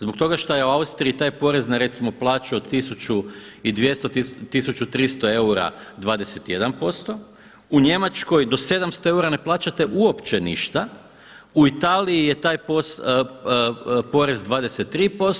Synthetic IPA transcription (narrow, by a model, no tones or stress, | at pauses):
zbok̚t̪o̞ɡaʃt̪ojeuaust̪ɾiit̪aːjpo̞ɾe̞znaɾe̞t̪simo̞plˠaːt͡ɕuod̪t̪isut͡ɕuid̪ʋje̞st̪ot̪it̪isut͡ɕut̪ɾiːst̪o̞e̞uɾa̰d̪ʋaːd̪e̞se̞t̪ije̞d̪anpo̞st̪o̞ | uɲe̞mat͡ʃko̞jd̪o̞se̞d̪amst̪o̞e̞uɾane̞plˠaːt͡ɕat̪eʔuo̞pt͡ɕe̞nḭʃt̪a | uit̪aːliije̞t̪aːjpos | po̞ɾe̞zd̪ʋaːd̪eset̪ːɾiːpo̞